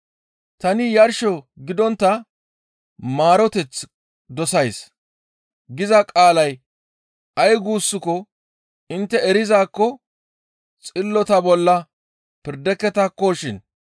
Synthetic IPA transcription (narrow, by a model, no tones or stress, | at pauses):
t̪ɐnɪjɐɾʃɔɡɪd̪ɔnt̪ːɐ | maːɾɔt̪ɛt͡sː | d̪ɔsɐjs | ɡɪzɐkʼaːlɐj | ɐjɡuːsːʊkɔ | ɪnt̪ːɛɛɾɪzaːkːɔ | t͡sʼɪlːɔt̪ɐbɔlːɐ | pɪɾd̪ɛkːɛt̪ɐkːɔʃɪn